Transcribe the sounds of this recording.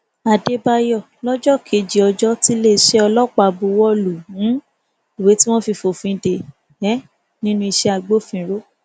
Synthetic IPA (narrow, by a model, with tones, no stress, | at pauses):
a˨de˧ba˧jɔ˦˨lɔ˦d͡ʒɔ˦kʰe˨d͡ʒi˨ɔ˧d͡ʒɔ˦ti˦le˦˨ʃɛ˦ɔ˧lɔ˦k͡pa˧bu˧wɔ˦lu˨ũ˨˦ | i˨we˨˦ti˦w̃ɔ̃˦fi˧fo˨fĩ˧˦˨de˨ | ɛ˨˦ | nĩ˦nũ˦˧i˧ʃɛ˧a˧ɡ͡bo˦˨fĩ˨˧˦ɾo˦